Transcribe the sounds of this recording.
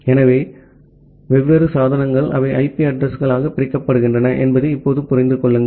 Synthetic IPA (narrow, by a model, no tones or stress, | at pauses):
ɛnɐʋeː | ʋɛʋːeɾɯsaːðɐnɐŋɡɐɭʔɐ̰ʋɐɪʔɐɪpiɐɖɾɐsɣɐɭaːɣɐpːɪɾɪkːɐpːɐɽɯɣɪndrɐnɐʔɛnbɐðɯɪpːoːðɯpʊɾɐɪnd̪ɯkɔɭːɯŋɡɐ